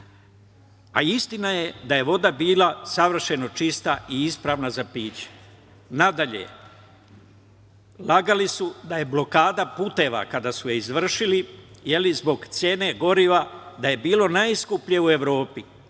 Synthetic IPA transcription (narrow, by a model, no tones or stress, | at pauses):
a̰ist̪inaje̞d̪aje̞ʋo̞d̪abiːlasaʋr̩ʃe̞no̞t͡ʃist̪aiispɾaʋnazapiːt͡ɕe̥ | nad̪aʎḛ | laɡalisud̪aje̞blo̞kaːd̪apuːt̪e̞ʋa̰kad̪asujeizʋr̩ʃilije̞lizbo̞ɡt̪sjeːne̞ɡo̞ɾiʋad̪aje̞biːlo̞najiskupʎeue̞ʋɾo̞ːpi